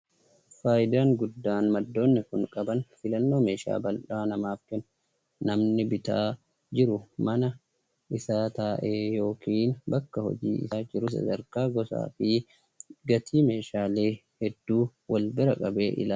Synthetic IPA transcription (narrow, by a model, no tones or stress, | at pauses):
faːjɪd̪aːŋɡʊd̪ːaːnmɐd̪ːo̞ːnːɪkʊŋkʼɐbɐnfɪlɐnːo̞ːme̞ːʃa̰ːbɐlᶑaːnɐmaːfkɛn | nɐmnɪbɪt̪aː | d͡ʒɪɾʊmɐnɐ | ʔɪsaːt̪aːʔeːjo̞ːkiːnbɐkːɐhɔ̰d͡ʒḭːɪ̰saːd͡ʒɪɾʊs̬ɐ̰d̪ɐɾkaːɡɔsa̰ːfɪ | ɡɐt̪ʰiːme̞ːʃaːle̞ː | hɛd̪ːuːwɐlbɪɾɐkʼɐbe̞ːʔɪ̰laː